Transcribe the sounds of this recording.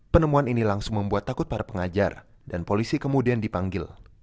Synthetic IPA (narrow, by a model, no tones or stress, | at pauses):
pənəmuaninilaŋsʊŋməmbuat̪ːakʊt̪̚paɾapəŋad͡ʒa̰r | danpolisikəmudiandipaŋɡɪl